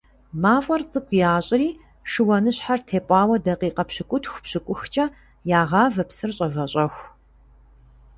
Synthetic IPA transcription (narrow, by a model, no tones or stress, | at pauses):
maːfʼɐrt͡sʼɨkʷʰʼjaːɕʼɪɾiː | ʂɨwɐnɨɕħartʰeːpʷʼɑːwɐdɐqiːqɐpɕɨkʷʼʊtʰxʷpɕɨkʷʼʊxt͡ʃʼɐ | jaːʁɑːvɐpsɨrɕʼɐvɐɕʼɐxʷ